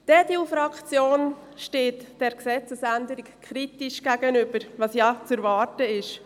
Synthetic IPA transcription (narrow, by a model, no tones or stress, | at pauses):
d̥ɛdiufɾɑkt͡sjoːn | ʃteːtd̥ɛɾksɛt͡səsænd̪əɾikkʰχɾitiʃɡ̥æɡ̥ənʏb̥əɾʋɑsjɑt͡sɛɾvɑːɾtəɪʃ